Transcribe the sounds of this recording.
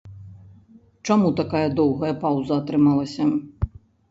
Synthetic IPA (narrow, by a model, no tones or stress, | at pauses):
t͡ʂamut̪akajɐd̪ɔwɣɐjɐpawzɐːt̪ɾɨmalˠɐsʲɐ